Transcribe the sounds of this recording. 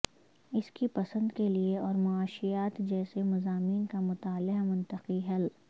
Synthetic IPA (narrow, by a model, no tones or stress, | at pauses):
ɪskipɐsə̃nd̪kelieɔːɾmʊaːʃijaːt̪d͡ʒɛːsemɐzaːmiːnkamʊt̪aːlɪmʊ̃nt̪əqiɦɐl